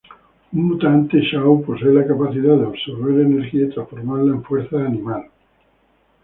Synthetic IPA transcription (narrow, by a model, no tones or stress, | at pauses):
umːut̪ant̪eʃawposeelakapaθiðaðeoβsoɾβeɾeneɾxiait̪ɾasfoɾmaɾlaẽɱfweɾθaːnĩmal